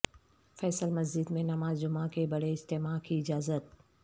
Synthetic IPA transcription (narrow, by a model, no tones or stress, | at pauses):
fɛːsəlmɐzd͡ʒɪd̪mẽnɐmaːzd͡ʒʊmakʰebɐɽeɪst̪eːmakʰiɪd͡ʒaːzət̪̚